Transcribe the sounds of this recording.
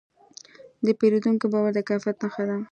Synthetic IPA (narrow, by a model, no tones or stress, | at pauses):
d̪əpeɾod̪uŋkobɑwaɾd̪əkafjat̪naxad̪a